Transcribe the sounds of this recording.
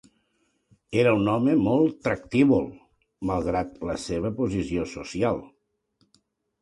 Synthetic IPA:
eɾəunɔməmɔlˠt̪ːɾək̚t̪iβulˠ | malˠɣ̞ɾat̪ləseβ̞əpuzisiosusialˠ

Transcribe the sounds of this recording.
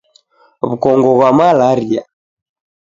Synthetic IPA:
βukɔŋɡɔɣwamalaɾia̰

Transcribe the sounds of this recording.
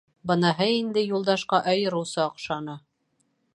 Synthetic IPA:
bɤ̆nɑɦɤind̪ɘjulˠd̪ɑʃqɑʔɑjɤ̆ɾɤ̆wsɤŏqʃɑnɤ

